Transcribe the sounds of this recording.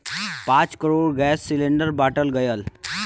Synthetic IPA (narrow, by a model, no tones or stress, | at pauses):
pãt͡skəɾoɽɡɛsːileɳɖəɾbaʈəlɡəjəl